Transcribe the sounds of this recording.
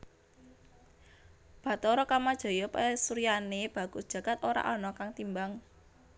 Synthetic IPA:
b̥ä̤t̪ɔɾɔkamad̥ʒ̥ɔ̤jɔpesuɾijaneb̥ä̤ɡ̥ud̥ʒ̥ä̤ɡ̥at̪oɾa̰ʔɔnɔkaŋt̪imbaŋ

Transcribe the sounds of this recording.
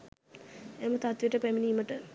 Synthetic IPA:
emət̪at̪ʋiʈəpæminiːməʈə

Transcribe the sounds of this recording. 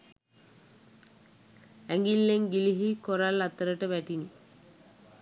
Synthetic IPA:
æŋɡilːeŋɡiliɦikoɾalːat̪əɾəʈəʋæʈini

